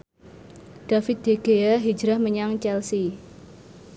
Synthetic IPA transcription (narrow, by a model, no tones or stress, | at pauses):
ɖ̥a̤fɪt̪̚d̪̥eɡ̥eaɦid͡ʒɾahməɲaŋt͡ʃɛlsi